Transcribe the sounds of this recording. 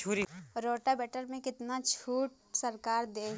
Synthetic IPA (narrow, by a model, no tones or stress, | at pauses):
t͡ʃʰuːɾiɾoːʈabɛːʈəɾmẽkɪt̪nat͡ʃʰuːʈ | səɾkaːɾd̪eː